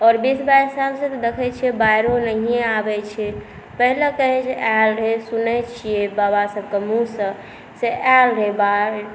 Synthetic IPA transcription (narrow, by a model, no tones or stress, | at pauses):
ɔɾbisbajɾsabsə̃t̪ɔd̪ekʰɛt͡ʃʰiɛbajɾonəɦieabɛt͡ʃʰɛ | pəɦilekəɦɛt͡ʃʰɛʔalɾesunɛt͡ʃʰijebabasəb̚kemusə̃ | seʔalɾeba